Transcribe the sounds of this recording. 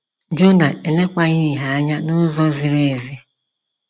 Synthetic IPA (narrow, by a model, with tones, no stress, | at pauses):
d͡ʒo˦na˨ʔe˨le˦kʷa˦ɲi˦˨ɦa˨a˦ɲa˦nʊ˦zɔ˦zi˨ɾe˨zi˦